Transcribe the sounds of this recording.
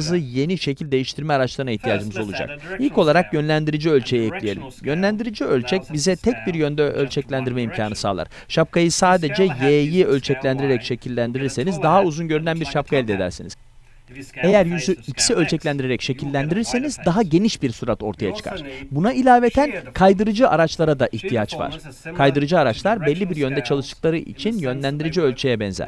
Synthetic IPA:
zɯje̞niʃe̞cʰilʲd̪e̞jiʃt̪ʰiɾmɛaɾat͡ʃlˠaɾɯnaiht̪ʰijaːd͡ʒɯmɯzo̞lˠud͡ʒa̰k̚ilʲcʰo̞lˠaɾakjønlʲænd̪iɾid͡ʒiø̞lʲt͡ʃʰe̞jiɛclʲije̞lʲḭmjønlʲænd̪iɾid͡ʒiø̞lʲt͡ʃʰɛc̚bizɛt̪ʰɛc̚biɾjø̞nd̪ɛʔø̰lʲt͡ʃʰɛclʲænd̪iɾmɛimcʰaːnɯsa̰ːlˠa̰ɾ̥ | ʃap̚kʰajɯsaːd̪e̞d͡ʒɛjeːjiølʲt͡ʃʰɛclʲænd̪iɾeɾɛcʃe̞cʰilʲːænd̪iɾiɾse̞nizd̪aɦauzunɟøɾynænbiɾʃap̚kʰaɛlʲd̪e̞d̪æ̰ɾsiniz | e̞jæɾjyzyicsiølʲt͡ʃʰɛclʲænd̪iɾeɾɛcʃe̞cʰilʲːænd̪iɾiɾse̞nizd̪aɦaɟe̞niʃbiɾsuɾat̪o̞ɾt̪ʰaja̰t͡ʃʰɯ̥kʰa̰ɾ̥bunailʲaːve̞t̪ʰænkʰajd̪ɯɾɯd͡ʒɯʔaɾat͡ʃlˠaɾad̪aʔiht̪ʰijat͡ʃva̰ɾ̥kʰajd̪ɯɾɯd͡ʒɯaɾat͡ʃlˠaɾbɛlʲːibiɾjø̞nd̪ɛt͡ʃʰalˠɯʃt̪ɯ̥klˠaɾɯʔḭt͡ʃʰinjø̞nlʲænd̪iɾid͡ʒiølʲt͡ʃʰejɛbɛnzæ̰ɾ̥

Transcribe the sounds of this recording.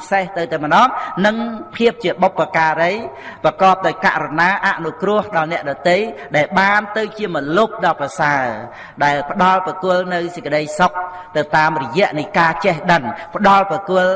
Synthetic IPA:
seht̪ɨwt̪awmənɑːmnɨŋpʰiəp̚t͡ɕiəɓopːakaːɾəjprɑkɑːp̚ɗaɔjkaʔrɔnaːʔaʔnukrʊ̆əhɗɑlnɛ̆əʔɗɑt̪ejɗaɛlɓaːnt̪ɨwt͡ɕiəmɔlup̚ɗɑːprɑsaə | ɗaɛlpə̆ɗɑlprɑkʊəlnɨwsəc̚kə̆ɗəjsok̚ | t̪ɨwt̪aːmrɔjɛ̆əʔnɨjkaːt͡ɕɛhɗənpə̆ɗɑlprɑkʊəl

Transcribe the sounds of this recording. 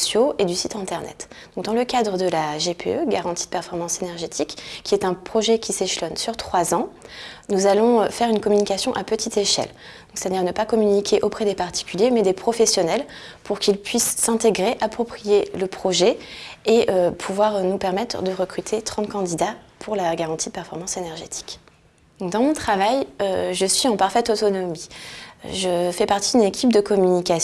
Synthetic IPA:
sjoed̪ysit̪ɛ̃t̪ɛʁnɛ̰t̪d̪̥ɔ̃k̚d̪ɑ̃ləkad̪ʁəd̪əlaʒepḛøɡaʁɑ̃t̪id̪̥əpɛʁfɔʁmɑ̃senɛʁʒet̪ʰikːʲiɛt̪ɛ̃pχɔʒɛkʲiseʃlɔnsyʁt̪χwazɑ̃ | nuzalɔ̃øfɛʁynkɔmynikasjɔ̃ʔapət̪ʰit̪eʃɛ̰l | d̪̥ɔ̃ksɛ̥t̪ad̪iʁnəpakɔmynikʲʰeʔopχɛd̪epaʁt̪i̥kʲyljemɛd̪epχɔfɛsjɔnɛl | puʁkʲilpɥisːɛ̃t̪eɡʁeʔapχɔpχijeləpχɔʒɛeʔøpʰuvwaʁnupɛʁmɛt̪χd̪əʁəkχyt̪ʰet̪χɑ̃t̪̚kɑ̃d̪id̪apʰuʁlaɡaʁɑ̃t̪ʰid̪əpɛʁfɔʁmɑ̃senɛʁʒet̪ʰi̥k̪ | ɔ̃d̪ɑ̃mɔ̃t̪χavajøʒəsɥiɑ̃paʁfɛt̪ot̪ɔnɔmḭ | ʒəfɛpaʁt̪id̪ynekʲʰip̚d̪əkɔmynikʲas

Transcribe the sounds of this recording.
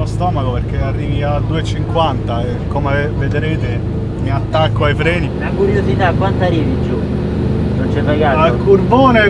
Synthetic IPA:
ost̪ɔːmakoperk̟earːiːviad̪ːuːet͡ʃiŋkwant̪aekːomeved̪ɾeːt̪e | miat̪ːakːoajfɾɛːnilakuɾjosit̪akːwant̪ariːvid͡ʒu | nont͡ʃɛpːeɡaːalkurboːne

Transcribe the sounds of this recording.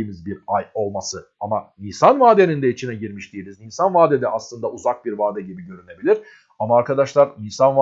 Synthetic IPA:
mizbiɾajo̞lˠmasɯamaniːsanvaːd̪e̞nind̪ɛit͡ʃʰinɛɟiɾmiʃd̪iilʲizninsanvaːd̪ɛd̪ɛʔaslˠɯnd̪auzak̚biɾvaːd̪ɛɟibiɟø̞ɾyne̞bilʲiɾ̥ | amaːɾkʰad̪aʃlˠaɾnisanva

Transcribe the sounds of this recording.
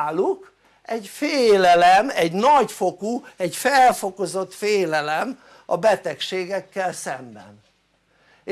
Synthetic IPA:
lːuk | ɛɟfeːlɛlɛmɛɟnɒɟfokuɛɟfɛlfo̞ko̞zo̞t̪feːlɛlɛm | ɒ̰bɛt̪ɛkʃeːɡɛkːɛlsɛmbɛ̰n

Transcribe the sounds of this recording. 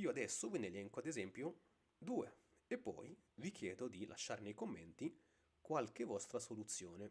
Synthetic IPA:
iːoad̪ɛsːovinelɛŋkoad̪ezɛmpjo | d̪uːe | epːɔ̰jvik̟jɛːd̪od̪ilʔa̰ʃːarnejkomːɛnt̪i | kwalkevɔst̪ɾasolut̪sːjoːne

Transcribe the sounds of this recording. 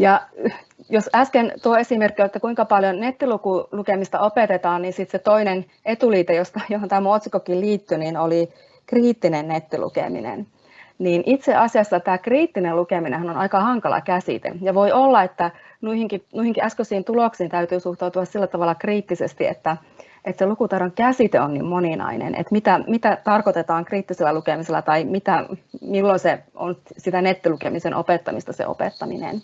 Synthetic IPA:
jɑ | josæskent̪uoesimerkːˑioliet̪ːækuiŋkɑpɑljonnet̪ːilukulukemist̪ɑ̰opet̪et̪ɑːnninsit̪set̪oinen | et̪uliːt̪ejost̪ɑjohont̪æːmːoot̪sikokilliːt̪ːyniːnoli | kriːt̪ːinennet̪ːilṵkḛmḭnḛn | niːnʔit̪seʔɑsiɑsːɑt̪æːkriːt̪ːinelukeminḛhænonɑikɑhɑŋkɑlɑ̰kæsḭt̪ḛjɑʋoiolːɑet̪ːæ | nuihiŋkinuihiŋkiæskøsiːnt̪uloksiːnt̪æyt̪yːsuht̪ɑut̪uɑssilːæt̪ɑʋɑlːˑɑkriːt̪ːisest̪iḛt̪ːæ | ʔet̪selukut̪ɑroŋkæsit̪eonnḭːmmoninɑ̰inḛnʔḛt̪mit̪æmit̪æt̪ɑrkot̪et̪ɑːŋkriːt̪ːiselːælukemiselːɑ̰t̪ɑimit̪æmilːonseo̰nsit̪ænet̪ːilukemisenʔopet̪ːɑmist̪ɑsḛʔo̰pḛt̪ːɑminḛn

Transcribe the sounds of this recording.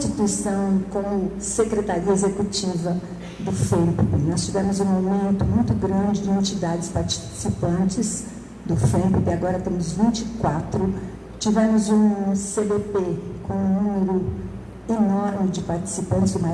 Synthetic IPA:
t͡ʃit̪uisɐ̃w̃kõ | sekɾet̪aɾiɐezekut͡ʃivɐ | d̪ʊfẽppɪnɔst͡ʃivɛ̃mʊzũawmẽnt̪ʊmũj̃t̪ʊɡɾɐ̃nd͡ʒɪd͡ʒɪẽnt͡ʃid̪ad͡ʒɪspaɾt͡ʃi̥sipɐ̃nt͡ʃɪz | d̪ʊfẽpupɪaɡɔɾɐt̪ẽmʊzvĩnt͡ʃikwat̪ɾʊ | t͡ʃivẽmʊzũsed̪epekõw̃ũnũmɪɾʊ | enɔɾmɪd͡ʒɪpaɾt͡ʃi̥sipɐ̃nt͡ʃɪzd̪ʊma

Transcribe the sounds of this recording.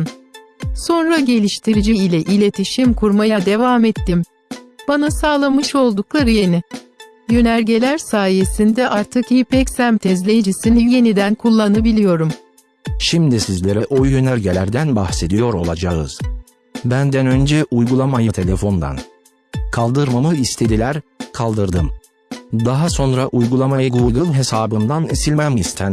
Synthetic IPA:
nso̞nɾaɟe̞lʲiʃt̪ʰiɾid͡ʒiilʲɛʔilʲe̞t̪ʰiʃimkʰuɾmajad̪e̞vaːmet̪ːim | b̥anasaːlˠamɯʃo̞lˠd̪uklˠaɾɯjenɪ | jø̞næɾɟe̞lʲæɾsaːje̞sind̪ɛʔaɾt̪ʰɯkhipɛcsæmt̪ʰɛzlʲejid͡ʒisinilje̞nid̪ænkʰulˠːanɯbilʲijo̞ɾum | ʃimd̪isizlʲe̞ɾɛʔojjø̞næɾɟelʲæɾd̪ænbaxse̞d̪ijo̞ɾo̞̰lˠad͡ʒaɯ̰z̥ | bænd̪ɛnø̞nd͡ʒɛʔujɡulˠamajɯt̪ʰe̞lʲe̞fo̞nd̪a̰n | kʰalˠd̪ɯɾmamɯist̪ʰe̞d̪ilʲæɾkʰalˠd̪ɯɾd̪ɯm | d̪aɦaso̞nɾaʔujɡulˠamajɯɡuɡ̪ɯnɦe̞saːbɯnd̪anisilʲmæmist̪ʰæn

